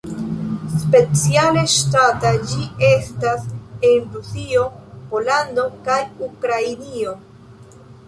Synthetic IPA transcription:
spe̞t͡siale̞ʃtatad͡ʒie̞stase̞nɾusio̞po̞land̪o̞kajukɾainio̞

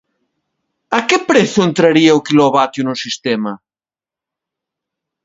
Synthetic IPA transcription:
akepɾeθʊent̪ɾaɾiaukiloβat̪junʊsist̪emɐ

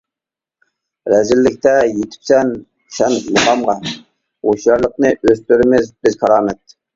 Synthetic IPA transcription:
ɾæzɪlːɪk̚ʲt̪ʰɛjet̪ʰɪ̥psɛn | sɛnmʊχɑmʁɑn | oʃɑɾlˠəq̚nɨʔøst̪ʰyɾɪmɪzbɪzkʰɑɾɑːmɛt̪̚

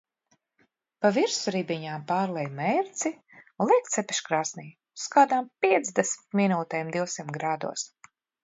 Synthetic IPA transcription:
paviɾsuɾibʲiɲaːmpaːɾlˠɛjmɛjɾt̪si | ulˠiɛkt̪sɛpʲɛ̥ʃkɾaːsniː | u̥skaːd̪aːmpʲiɛt̪zd̪ɛsmit̪mʲinuːt̪ɛjmd̪iwsimɡɾaːd̪ṵɔs

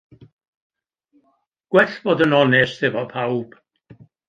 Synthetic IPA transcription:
ɡ̥wɛθb̥oːdənɔnɛsθɪvɔpʰawb̥

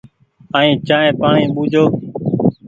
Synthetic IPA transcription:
aːĩːt͡ʃaːɦẽːpaːɳĩːɓuːd͡ʒʱoː

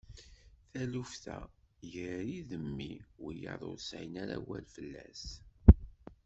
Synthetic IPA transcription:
θælufθæ | jəɾiðəmːiwijɑ̰ðˤo̰ɾsʕinæɾæ̰wælfəlːæs

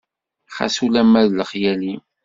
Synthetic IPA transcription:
χa̰sulæmːæðləχjælim

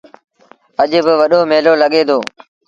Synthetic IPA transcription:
əʄbɪʋəɗoːmeːloːləɠeːd̪ʰoː

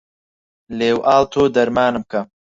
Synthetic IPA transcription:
leːwʔaːlt̪ʰoːd̪ɐɾmaːnɨmkɐ

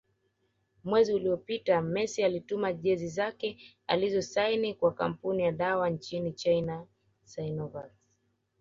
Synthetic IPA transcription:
mwɛziuliɔpitamɛsialitumaʄɛzizakɛ | a̰lizɔsainikwaka̰m̩punijaɗawant͡ʃinit͡ʃajna | sajnɔvas

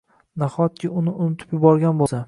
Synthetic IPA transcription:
naχɒt̪̚kʲʰɪʊnɪʊnʊt̪ʰɪ̥pjʊbɒɾɡʲanbosa

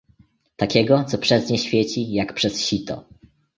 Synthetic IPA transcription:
t̪akʲɛɡɔt̪sɔpʂɛzɲɛɕfʲjet͡ɕijakpʂɛsɕit̪ɔ̰

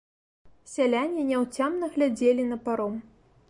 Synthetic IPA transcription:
sʲalʲanʲɛnʲɛwt͡sʲamnɐɣlʲad͡zʲelʲinɐpaɾɔm

